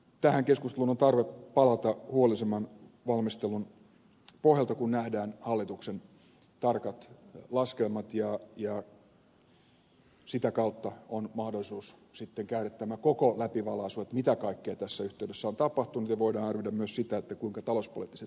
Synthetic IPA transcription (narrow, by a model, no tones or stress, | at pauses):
t̪æhæŋkeskust̪elunont̪ɑrʋeppɑlɑt̪ɑhuolisemɑn | ʋɑlmist̪elun | pohjɑlt̪ɑkunnæhdæːnhɑlːit̪uksen | t̪ɑrkɑt̪lɑskelmɑt̪jɑjɑ | sit̪ækɑut̪ːɑonmɑhdolisuːssit̪ːeŋkæyret̪ːæmːækokolæpiʋɑlɑisuset̪mit̪ækɑikːeɑt̪æsːæyht̪eydesːæont̪ɑpɑht̪unut̪jɑʋoidɑːnɑrʋidæmmyøssit̪æet̪ːækuiŋkɑt̪ɑlospo̰lit̪ːiset̪